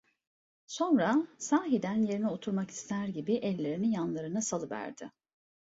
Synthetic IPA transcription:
so̞nɾasaːɦid̪ænje̞ɾinio̞t̪ʰuɾmaki̥st̪ʰæɾɟibiʔɛlʲːe̞ɾinijanlˠaɾɯnɯsalˠɯvæ̰ɾd̪ɪ

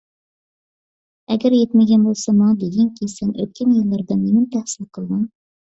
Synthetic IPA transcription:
ɛɡʲɛɾjet̪mɪɡʲɛnbolˠsɑmɑŋd̪eɡʲɛŋkʲʰisɛnʔø̰t̪̚kʲʰɛnjɨlˠːɑɾd̪ɨnːemɪnt̪ʰæhsɪlqʰəlˠd̪ɨŋ

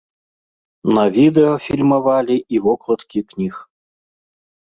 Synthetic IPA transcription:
nɐvʲid̪ɛɔfʲilʲmɐvalʲiʔivɔklˠɐt̪kʲiknʲix

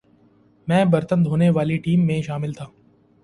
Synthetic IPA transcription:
mɛ̃ːbɐɾt̪ənd̪ʱɦoːneʋaːliʈiːmːẽʃaːmɪlt̪ʰaː

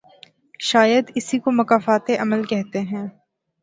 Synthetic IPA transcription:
ʃaːjəd̪ɪsikomɐkaːfaːt̪eʔɐməlkɛɦt̪eɦɛ̃ː

